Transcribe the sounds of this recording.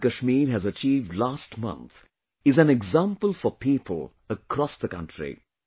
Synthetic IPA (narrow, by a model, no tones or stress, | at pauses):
kəʃmiɾɦɨzət͡ʃiːvdlaːsʈmʌ̰̃nt̪ | ɪzæ̃nɛɡzãmpəlˠfəpiːpʰəlˠ | əkʰɾɔsðəkʌ̰̃ntʰɹḭ